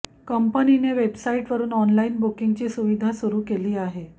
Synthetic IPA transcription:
kəmpənineʋebsaiʈʋəɾuːnɔnlainbukiŋɡt͡ɕiːsuʋid̪ʱasuɾuːkeliːaɦe

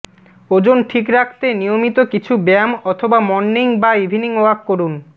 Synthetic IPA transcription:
od͡ʑonʈʰikɾakʰt̪enijomit̪okit͡ɕʰubɛmɔt̪ʰobamɔnːiŋbaibʱiniŋoakːoɾun

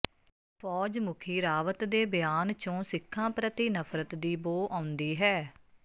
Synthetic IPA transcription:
pʰɔːd͡ʒmʊkʰiːɾaːʋət̪d̪eːbjaːnt͡ʃõːsɪkʰːãːpɾət̪iːnəpʰɾət̪d̪iːboːʔãːʊ̃nd̪iːɦɛː

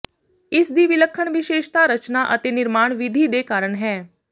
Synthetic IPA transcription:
ɪsd̪iːʋɪləkʰːəɳʋɪʃeːʃt̪aːɾət͡ʃnaʔət̪eːnɪɾmaːɳʋɪd̪ʱiːd̪eːkaːɾəɳɦɛː

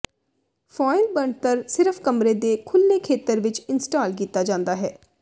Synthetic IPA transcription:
pʰɔːɪlbəɳt̪əɾsɪɾəfʰkəmɾeːd̪eːkʰʊlːeːkʰeːt̪əɾʋɪt͡ʃɪnsʈaːlkiːt̪ːaːd͡ʒãːnd̪aːɦɛː

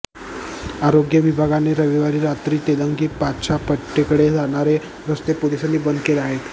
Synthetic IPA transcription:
aɾoɡjəʋibʱaɡaneɾəʋiʋaɾiːɾat̪ɾiːt̪ed̪əŋɡipatt͡ɕʰapəʈːekəɽed͡zaɽ̃aɾe | ɾəst̪epud̪esanːibənd̪keleaɦet̪

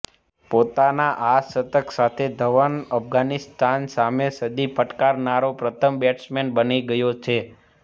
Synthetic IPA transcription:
pot̪anaʔasət̪əksat̪ʰed̪ʱəʋənəpɡanist̪ansamesəd̪ipʰəʈkaɾnaɾopɾət̪ʰəmbɛʈsmenbəniɡəjot͡ʃʰe

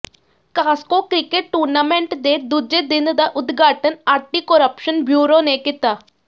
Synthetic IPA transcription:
kaːskokɾɪkeʈʈːuːɾnaːmẽɳʈd̪ed̪uːd͡ʒed̪ɪnd̪aʔʊd̪ɡʱaːʈənaːʈikoɾəpʃənbjuːɾoːnekɪt̪aː

